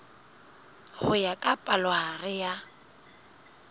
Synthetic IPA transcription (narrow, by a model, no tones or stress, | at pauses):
hʊjakʼapʼalɔharɪja